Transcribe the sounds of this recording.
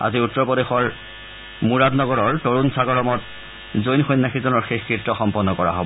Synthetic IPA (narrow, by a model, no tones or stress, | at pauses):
a̰ziutːɔpɔdexɔɹ | muɹadnɔɡɔɹɔɹtoɹunsaɡɔɹɔmɔt | zojnxɔjnːaxizɔnɔɹxexkɹitːɔxɔmpɔnːɔkɔɹa̰ɦobɔ